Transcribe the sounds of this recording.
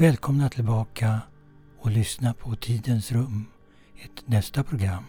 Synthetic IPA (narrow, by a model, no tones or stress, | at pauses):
vɛːlkʰɔmnat̪ʰɪlbɑːkʰa | ɔlʏsnapʰɔt̪ʰiːd̪ənsɾɵmː | ɪt̪nɛst̪apʰɾʊɡɾa̰mː